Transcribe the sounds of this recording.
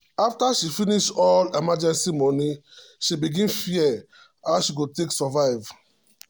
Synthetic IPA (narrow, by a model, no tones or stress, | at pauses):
aftaʃifĩniʃtɔlemad͡ʒɛ̃nsimɔ̃niʃibiɡĩnfiɛ | aʊʃiɡoteksɔvaɪv